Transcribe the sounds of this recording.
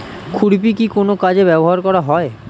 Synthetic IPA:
kʰuɽp̬ikikonokad͡ʑebɛboɦaɾkɔɾaɦɔe

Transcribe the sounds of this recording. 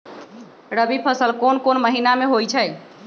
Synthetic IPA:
ɾəbipʰəsəlkonkonməɦinameɦojt͡ʃʰəj

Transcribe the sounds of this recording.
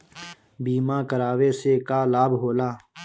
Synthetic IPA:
biːmãːkəɾaːʋeːseːkaːlaːbɦoːlaː

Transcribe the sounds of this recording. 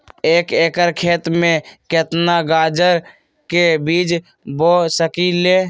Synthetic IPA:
eːkeːkəɾkʰeːt̪mẽket̪naɡaːd͡ʒəɾ | kebiːd͡ʒ | boːsəkiːleː

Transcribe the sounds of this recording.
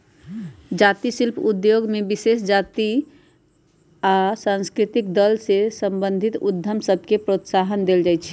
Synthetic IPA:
d͡ʒat̪isilpʰud̪joɡmebisesd͡ʒat̪i | asãnskɾit̪ik̚d̪əlsesə̃mbə̃nd̪ʱit̪ud̪ʱːəmsəbʱkepɾot̪saɦənd̪eld͡ʒajt͡ʃʰ

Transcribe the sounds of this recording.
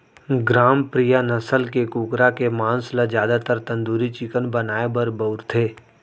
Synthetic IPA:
ɡɾaːmpɾijanɐsəlkekuːkɾakemãːnslad͡ʒjaːd̪at̪əɾt̪ɐ̃nd̪uːɾit͡ʃikənbənaːebəɾbəʊɾt̪ʰeː

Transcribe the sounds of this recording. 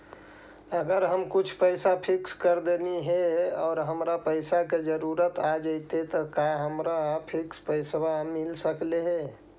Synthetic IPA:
əɡəɾɦəmkut͡ʃʰpəɪsapʰikskəɾd̪eniɦɛɔːɾɦəmɾapəɪsaked͡ʒəɾuɾət̪ad͡ʒəɪt̪et̪ɔkaɦəmɾapʰikspəɪswamɪlsəkleɦe

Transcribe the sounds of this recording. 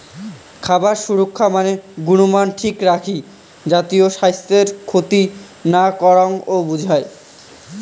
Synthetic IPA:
kʰabaɾʃuɾokʰːamaneɡunumanʈʰikɾakʰi | d͡ʑat̪ioʃajst̪eɾkʰot̪i | nakɔɾaŋobud͡ʑʱae

